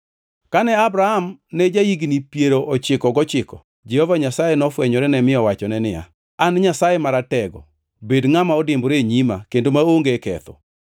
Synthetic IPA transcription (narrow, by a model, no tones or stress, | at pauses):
kanɛabɾahamnɛd͡ʒaiɡnipjeɾoʔɔt͡ʃɪkɔɡɔt͡ʃɪkɔ | d͡ʒɛhɔvaɲasajenɔfwɛɲɔɾɛnɛmɪjɔwat͡ʃɔnɛnɪa̰ | anɲasajemaɾatɛɡɔ̰ | bedŋamaɔdɪmbɾeɲimakendomaoŋɡekɛ̰t̪ɔ̰